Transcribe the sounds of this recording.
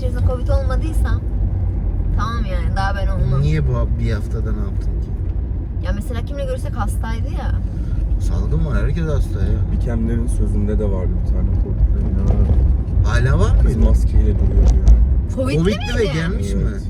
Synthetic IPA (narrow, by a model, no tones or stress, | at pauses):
t͡ʃisakʰo̞vit̪ʰo̞lˠmad̪ɯjsam | t̪ʰamaːmjaːnd̪aːbænoonunijɛbuabihaft̪ʰad̪anap̚t̪ʰɯmk | jaːmeselʲaːciminɛɟøɾysɛchast̪ʰajd̪ɯja | sa̰lˠd̪ɯmvaɾhæɾcezast̪ˠajabicʰæmlʲeɾinsøzynd̪ɛd̪ɛvaɾd̪ɯbit̪ʰaːnɛkʰovit̪lʲeɾinaahaːlʲaːvaɾimascʰilɛd̪ulˠujoɾjaːnɪkʰoviovitt̪livɛɟælʲmiʃʃimbɛ